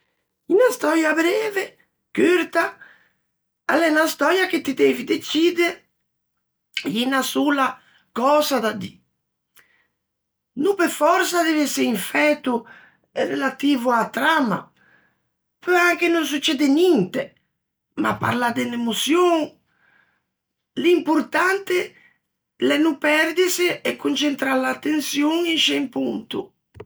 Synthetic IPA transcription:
inast̪ɔjabɾɛːve | køɾt̪a | alɛnast̪ɔːjak̟et̪id̪eːvid̪et͡ʃiːd̪eɾ | inasuːla | kɔːzad̪ad̪i | nupefɔɾsad̪evɛseiɱfɛt̪u | ɛrːelat̪iːvuat̪ːɾama̰ | pøaŋk̟enons̬ut͡ʃːɛːd̪enint̪e | ma̰pːa̰ɾlad̪enemosjoŋ | limpuɾt̪ant̪ɪ | lɛnupɛrd̪isɪɛkʰːunt͡ʃent̪ɾalat̪ːensjoŋinʃempunt̪ṵ

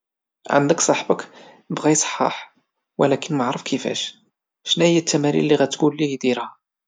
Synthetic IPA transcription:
ʕa̰nd̪əksˤɑħbək | bɣæjsˤħɑ̰ħ | wə̰lækənmaʕɾəfkʰəfæ̰ʃ | ʃnæhəjːæt̪ʰːæmæɾḭllːiɣæt̪ɡulːihd̪iɾhæ

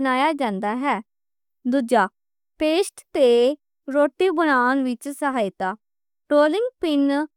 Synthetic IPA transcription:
naːjaːd͡ʒãːnd̪aːɦɛː | d̪uːd͡ʒaː | peːsʈt̪e | ɾoːʈːibənaːnʋɪt͡ʃsəɦaːjt̪aː | ʈɾoːlɪ̃ŋɡpɪn

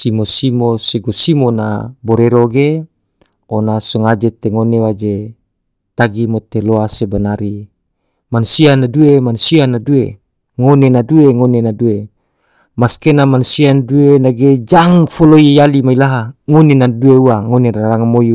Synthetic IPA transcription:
simosimoseɡosimona̰boɾeɾoɡe | onasɔŋad͡ʒet̪eŋonewad͡ʒe | t̪aɡimot̪eloasebanaɾi | manusianaduemanusianadue | ŋonenadueŋonenadue | maskenamanusianduenaɡed͡ʒaŋfolojejalimailaɦaŋonenadueuaŋoneɾaaɾaŋamoju

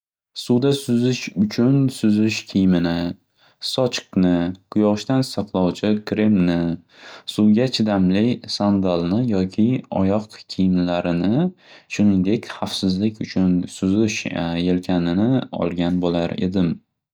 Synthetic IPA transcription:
sʊwd̪asʊzɪʃʊt͡ʃʰʊnsʊzɪʃkʲʰijmɪnɪ | sɒt͡ʃqknɪkʰʊjɒʃt̪ansaqlˠɒwt͡ʃʰɪkʰɾe̞mnɪ | sʊɡʲat͡ʃʰɪd̪amlɪsand̪alˠnɪjɒkʲʰɪɒ̰jɒqkʲʰijɪmlaɾɪnɪʃʊnɪŋd̪e̞kʲχafsɪzlɪkʲʰʊt͡ʃʰʊnsʊzɪʃje̞lkʲʰanɪnɪɒ̰lˠɡʲanbolaɾe̞̰d̪ɪm

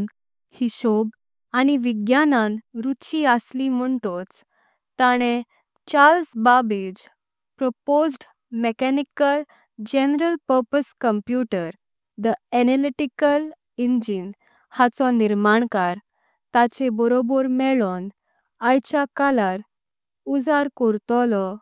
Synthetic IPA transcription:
n | hiɕob | añiʋiɡjanãnɾut̪ɕiəslim̤əɳʈot͡s | t̪aɽ̃ẽ | t͡ɕalsbabid͡ʑ | pɾɔpozʈ | mɛkɛnikəl | d͡ʑɛnɾəlpəɾpəskəmpjuʈəɾ | d̪əɛneliʈikəl | ind͡ʑin | hat͡sɔniɾmaɳkaɾ | t̪at͡ɕebɔɾobɔɾmɛɭɔn | ajt͡ɕakalaɾ | ud͡zaɾkɔɾt̪ɔlɔ

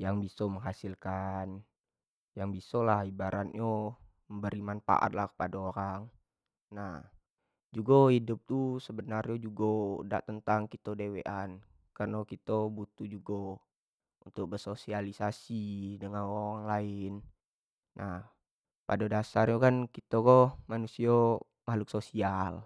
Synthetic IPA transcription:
jaŋbisoməŋɦasilkan | jaŋbisolahibaɾat̪̚ɲo | məmbəɾimanfa̰ʔa̰t̪̚lahkə̥padaoɾaŋ | nah | d͡ʒuɡahidʊp̚t̪usəbənarɲod͡ʒuɡoda̰ʔt̪ənt̪aŋkit̪odeweʔan | kərnokit̪obut̪ud͡ʒuɡo | unt̪ʊk̚bərsosialisasidəŋanooɾaŋlaɪnː | ʔah | padadasarɲukankit̪okomanusio | mahluk̚sosial

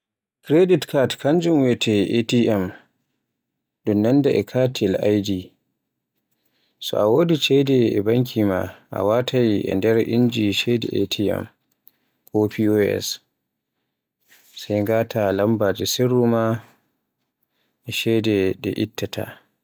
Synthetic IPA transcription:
kɾeditkʰaɾtkʰand͡ʒumwɛtʰɛʔetiʔɛm | ɗunnandaʔɛkʰatʰilajdi | sɔ̰ʔawodit͡ʃɛdɛɛ̰baŋk̬ʰʲimaʔa̰watʰajiʔɛ̰ndɛɾʔind͡ʒiʃɛdɛ̰ʔetʰiɛ̰m | kopʰioɛ̰s | sajŋɡaːtʰalambad͡ʒɛsiɾːuma | ʔɛʃɛdɛɗɛ̰ʔitːatʰa̰

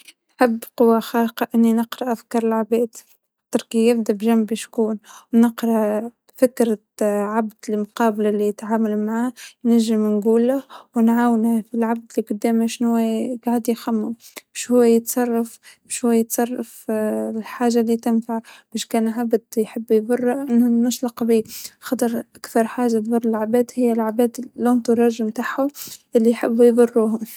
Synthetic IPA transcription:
nħɪbːqʊwːaxɑːqɑʔɪnːinəqɾˤɑʔafkɑːɾˤɪlʕabɛːd̪ | t̪ːʊɾkijɪbd̪abʒambɪʃkuːnwnɪqɾˤɑʔ | fɪkɾɑ | ʕabd̪lɪlmʊqɑːblalijt̪ʕaːmalmaʕaːnæʒːɪmnɡuːlːawnʕaːwnhæfilʕab̚d̪liqʊd̪ːɛːmhaʃnhʊwæɡaʕd̪jxamːʊmbæʃhʊwːejət̪sˤɑrˤːɑf | ʃhʊwːæjət̪sˤɑrˤːɑflħaːʒːalːit̪ɪnfaʕb̥æːʃkæːnʕabd̪jħɪbːjðˤʊrˤːaʔɪnːʊnːʊʃˤlɑqbiːxɑt̪ˤɑɾˤʔakθɑɾˤħaːʒːat̪ðˤʊrˤːɪlʕabæːd̪hɪjːælʕabæːd̪lːont̪ˤʊɾˤɑʒmt̪aħʊʔɪlːijħɪbːjðˤʊrːuːh

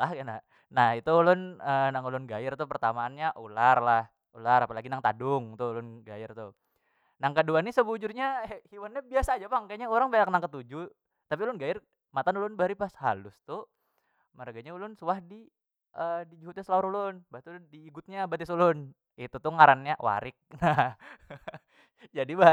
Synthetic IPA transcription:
lakana | nahit̪ulʊnənaŋulʊnɡajɪrt̪ʊpərt̪amaːnɲaʔularlah | ulaɾapalaɡinaŋt̪a̰dʊŋt̪ʊlʊnɡajɪrt̪ʊ | naŋkəduanisəbud͡ʒurɲahiwanɲabiasaːd͡ʒapaŋkaɲaoɾaŋbaɲaknaŋkət̪ud͡ʒu | t̪ap̬iulʊnɡajɪr | mat̪anulʊnbaɾipasha̰lʊst̪ʊ | məɾaɡaɲaulʊnsuwahdi | ʔədid͡ʒuɦʊt̪̚ɲasəlauɾulʊnbat̪undiːɡʊt̪̚ɲabat̪ɪsulʊn | it̪ut̪ʊŋaɾanɲaʔwa̰ɾɪk̚na | d͡ʒadiba

